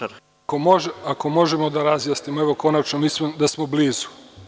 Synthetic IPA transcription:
komoʒako̞mo̞ʒe̞mo̞d̪aɾazjasnimoeʋo̞ko̞nat͡ʃnomiːsmod̪asmo̞bliːzu̥

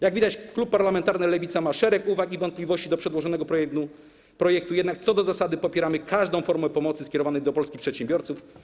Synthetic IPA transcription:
jaɡvʲid̪at͡ɕklupːaɾlamɛnt̪aɾnɛlɛvʲit̪samaʂɛɾɛkuvakivɔnt̪plʲivɔɕt͡ɕid̪ɔpʂɛd̪wɔʐɔnɛɡɔpɾɔjɛk̪u | pɾɔjɛk̚t̪ujɛd̪nak̚t̪sɔd̪ɔzasad̪ɘpɔpʲjɛɾamɘkʰaʐd̪ɔ̃w̃fɔɾmuɛpɔmɔt̪sɘskʲɛɾɔvanɛjd̪ɔpɔlskʲixpʂɛt̪ɕɛ̃mbʲjɔɾt̪suf

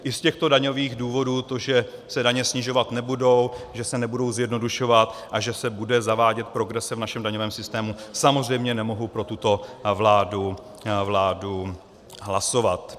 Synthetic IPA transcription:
ʔɪscɛxt̪o̞daɲo̞viːɣduːvo̞duːt̪o̞ʒɛsɛdaɲɛsɲɪʒo̞vat̪nɛbudo̞wʒɛsɛnɛbudo̞wzjɛdnoduʃo̞vat̪ʔaʒɛsɛbudɛzavaːɟɛt̪̚pɾo̞ɡɾɛsɛvnaʃɛmdaɲovɛːmsɪst̪ɛːmusamo̞zr̝ɛjmɲɛnɛmo̞ɦupɾo̞t̪ut̪o̞vlaːdu | vlaːdu | ɦlaso̞vat̪

